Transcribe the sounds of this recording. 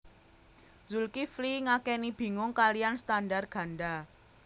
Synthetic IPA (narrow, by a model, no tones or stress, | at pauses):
zulkifliŋakɛnib̥i̤ŋʊŋkalijanst̪andarɡ̥ä̤nɖa